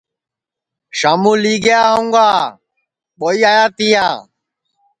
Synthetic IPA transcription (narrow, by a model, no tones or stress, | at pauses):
ʃaːmuːliːɡəjaːɦõŋɡaː | ɓoːiːaːjaːt̪ijaː